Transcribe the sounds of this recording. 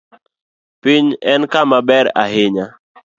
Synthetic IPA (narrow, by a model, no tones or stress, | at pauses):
piɲɛnkamabɛɾa̰ɦɪɲa